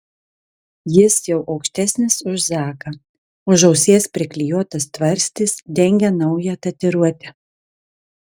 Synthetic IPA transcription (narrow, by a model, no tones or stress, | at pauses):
jɪsjɛʊʔɐʊkʃʲt̪ʲæsʲnʲɪsʊʃzɑːkɐ | ʊʒɐʊsʲeːspʲɾʲɪklʲɪjuɔt̪ɐst̪ʋɐɾʲsʲt̪ʲɪsd̪ʲɛŋʲɡʲɛnɒʊjɛt̪ɐt̪ʲɪɾuɔt̪ʲɛ